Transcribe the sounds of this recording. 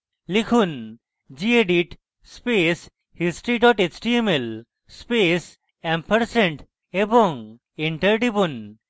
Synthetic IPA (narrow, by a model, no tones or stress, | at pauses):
likʰun | d͡ʑieɖiʈ | spes | hisʈɾiʈɔʈet͡ʃʈiemel | spes | ɛ̃mpʰəɾsẽɳʈ | eboŋ | eɳʈəɾɖibun